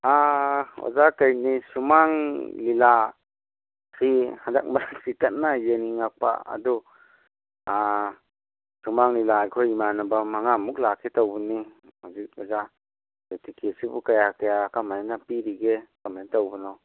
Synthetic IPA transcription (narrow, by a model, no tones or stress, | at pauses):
ao̰zakajnisumaŋlila | sihada̰k̚maɾasitat̚najeniŋak̚pa̰a̰dɔ | a | sumaŋlilajkʰɔimanabamaŋamuk̚lakʰetawbɯni | mazik̚ɔza | ketikʰesibukajakajakamanapiɾiɡekamntawbɯnɔ